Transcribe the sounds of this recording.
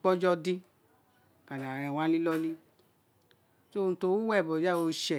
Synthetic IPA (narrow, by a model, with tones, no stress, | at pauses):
k͡pɔ˦d͡ʒɔ˦di˦ | ka˨nã˨ɾã˨w̃ã˦li˦lɔ˦li˦ | so˦˧n̩˨to˧˦wu˦wɛ˦˨bɔ˨d͡ʒa˦˨wo˧˦ʃɛ˦˨